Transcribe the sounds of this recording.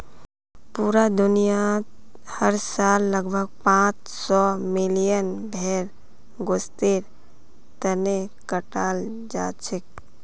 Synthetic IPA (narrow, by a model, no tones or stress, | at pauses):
puːɾad̪ʊnija | həɾsaːlːəɡbʱəɡ̚pãːt͡ʃ | sɔmɪlijənbʱɛːɾ | ɡost̪eɾ | t̪ənekəʈaːl | d͡ʒa̰ːt͡ʃʰɪk